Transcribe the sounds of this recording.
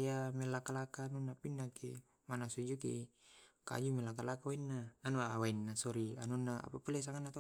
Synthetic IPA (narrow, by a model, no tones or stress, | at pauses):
jamɛlːakalakaːnunːapinːaki | manasud͡ʒukḭka̰d͡ʒumɛlakalakawainːaːnuawainːasɔɾianunːaa̰papulas̬aŋanːat̪